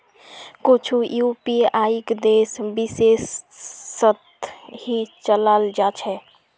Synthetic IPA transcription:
kot͡ʃʰujupiajikd̪esbisesː | ət̪hit͡ʃələld͡ʒat͡ʃʰɛ

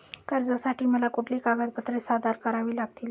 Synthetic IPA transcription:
kəɾd͡zasaʈʰiːməlakuʈʰlikaɡat̪̚bət̪ɾesad̪aɾkəɾaʋiːlaɡ̚t̪iːl

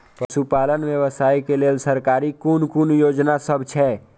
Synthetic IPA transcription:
psupaːlənwjəʋəsaːikeleːlsəɾkaːɾikunkunjoːd͡ʒnasəbt͡ʃʰɛː

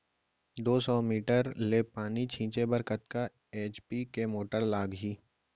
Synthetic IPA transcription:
d̪oːsɔːmiːʈəɾleːpaːnit͡ʃʰĩːt͡ʃebəɾkət̪ka | eːt͡ʃpikemoːʈəɾlaːɡɦiː

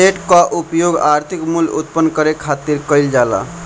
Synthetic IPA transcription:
eʈkaʔupjoɡaɾt̪ʰikmulṵt̪̚pənːkəɾekʰat̪iɾkəɪld͡ʒala̰

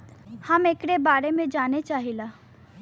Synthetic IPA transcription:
hɐmekɽebaːɾemẽd͡ʒaːnet͡ʃaːɦilaː

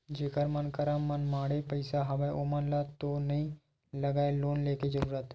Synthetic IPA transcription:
d͡ʒeːkəɾmənkəɾãmənmaːɽepəɪsaɦɐʋəʔoːmənlat̪onɐɦĩ | lɐɡaːeloːnleːked͡ʒəɾuːɾət̪

